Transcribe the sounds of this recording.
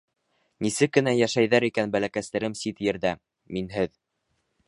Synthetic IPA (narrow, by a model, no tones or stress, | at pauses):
nisɘkːɘ̆næjæʃæjðæɾikænbælækæst̪æ̆ɾɘmsit̪jɘ̆ɾðæ | minɦɘð